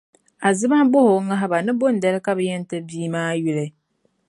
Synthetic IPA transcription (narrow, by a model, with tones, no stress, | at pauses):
a˨zɨ˦ba˦bʊ˦hʊ˨ŋa˦ɦɪ˦ba˨nɨ˦bo˦n̩˨da˦lɨ˦ka˦bɨ˨jɛ˦n˦tɨ˦biː˦maː˦jʊ˦lɨ˦